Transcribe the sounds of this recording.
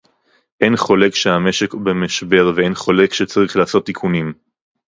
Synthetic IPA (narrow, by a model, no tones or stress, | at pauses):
ʔenχo̞le̞kʃeame̞ʃe̞kbemaʃbe̞ʁvee̞nχo̞le̞kʃet͡saʁiχlaːso̞t̪ːikʰunim